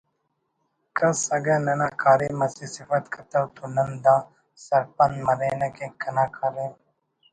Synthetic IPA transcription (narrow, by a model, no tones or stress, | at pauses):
kɐsɐɡɐnɐnaːkaːɾẽːmɐsisɪfɐt̪kʰɐt̪ɐwt̪unɐnd̪ãː | sɐɾpɐnmɐɾeːnɐkẽːkɐnaːkʰaːɾẽː